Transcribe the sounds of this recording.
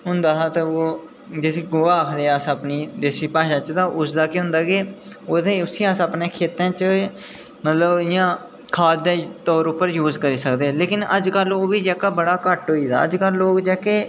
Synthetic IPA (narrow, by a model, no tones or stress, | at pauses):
ɦʊ̃nd̪aːɦaːt̪aːoː | d͡ʒesiːɡoːaːkʰd̪eːəsəpniːd̪eːsiːpaːʃãːt͡ʃt̪ãːʔʊsd̪aːkeɦʊ̃nd̪aːkeːod̪ẽʊsiːəsəpneːkʰeːt̪ãːt͡ʃə | mət̪ləbɪjãː | kʰaːt̪ːẽːt̪ɔːɾʊpːəɾjuːzkəɾiːsəkd̪eːleːkɪnəd͡ʒkəloːbiːd͡ʒɛːkaːbəɽaːkəʈɦoːiːd̪a̰ːə̰d͡ʒkəlːoːkd͡ʒɛːkeː